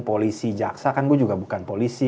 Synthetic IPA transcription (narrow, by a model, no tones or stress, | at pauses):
polisid͡ʒa̰ksakanɡuɛd͡ʒuɡabukanpolisi